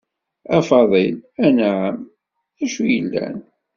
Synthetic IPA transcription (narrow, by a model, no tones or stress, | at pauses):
æfɑðˤilænʕəm | æʃujəlːæ̰n